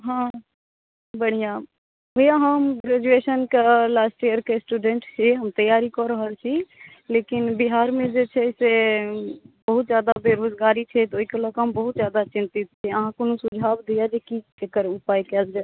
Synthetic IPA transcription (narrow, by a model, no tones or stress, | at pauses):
ɦã | bəɽ̤ijã | bojaɦəmɡɾɛd͡ʒuesənkelasʈijəɾkesʈuɖeɳʈt͡ʃʰɛɦəmt̪əjaɾikɔɾəɦəlt͡ʃʰi | lekinbiɦaɾmẽd͡ʒet͡ʃʰɛse | bəɦut̪̚d͡ʒjad̪abeɾod͡ʒɡaɾit͡ʃʰɛt̪oɦikeləkɦəmbəɦut̪̚d͡ʒjad̪at͡ʃĩnt̪it̪̚t͡ʃʰɛəɦãkonusud͡ʒʱabd̪ijad͡ʒeki | ekəɾupajkɛd͡ʒd͡ʒa